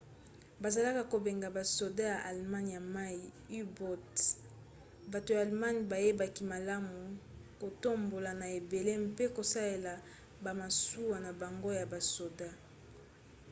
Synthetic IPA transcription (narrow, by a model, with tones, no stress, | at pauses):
ba˨za˨la˦ka˨ko˨be˨ŋɡa˨ba˨so˨da˦ja˨ʔa˨lma˦n˨ja˨ma˦i˨ | i˦bɔ˦t | ba˨to˨ja˨a˨lma˦n˨ba˨je˦ba˨ki˦ma˨la˦mu˨ko˨to˦mbo˨la˨na˨e˨be˨le˦mpe˦ko˨sa˦le˨la˨ | ba˨ma˨su˦wa˨na˨ba˨ŋɡo˦ja˨ba˨so˨da˦